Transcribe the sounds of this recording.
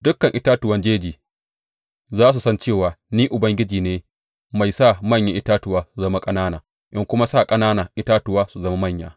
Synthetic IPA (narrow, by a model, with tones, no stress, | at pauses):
dʊ˦kɐ˨ŋʔɪ˦taː˦tʊ˨wɐ˦nd͡ʒeː˦d͡ʒiː˨ | zaː˦s̬u˨sɐ˦nt͡ʃeː˦˨waː˨niː˦ʔʊ˨bɐ˦ŋɡʲɪ˦d͡ʒiː˨neː˦ | ma˨jsaː˦˨mɐ˦˨ɲja˨ʔɪ˦taː˦tʊ˨waː˦su˨zɐ˦ma˦kʼɐ˦naː˦naː˨ | ʔɪ˦ŋkʷʊ˦ma˦saː˦˨kʼɐ˦naː˦naː˨ʔɪ˦taː˦tʊ˨waː˦su˨zɐ˦ma˦mɐ˦˨ɲja̰ː˨